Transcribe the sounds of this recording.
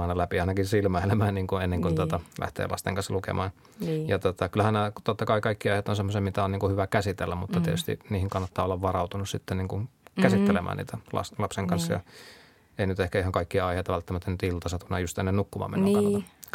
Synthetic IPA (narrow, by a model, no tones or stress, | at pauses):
ɑˑnɑlæpiɑˑinɑkinsilmæhlemæːnniːŋkuenːeŋkunt̪ot̪ɑlʔæ̰ht̪ḛːlʔɑ̰st̪ḛŋkɑnslukḛmɑːn | jɑt̪ot̪ɑkylæhænnet̪ot̪ːɑkɑikɑikːiɑˑihet̪ːonsemːosemmit̪æonniːŋkuhyʋækæsit̪elːæmmut̪ːɑt̪iet̪yst̪ḭniːhiŋkɑnːɑt̪ːɑːolːɑʋʋɑrɑut̪unussit̪ːeniːŋkunkæsit̪ːelemʔæ̰nḭːt̪ælɑ̰slɑpseŋkɑnsjɑ̰ | einyt̪ehkæihɑŋkɑikːiɑɑiheˑːt̪ɑʋælt̪ːæmæt̪ːænnyt̪ilt̪ɑsɑt̪unːɑjust̪enːenukːumɑ̰mḛnkɑ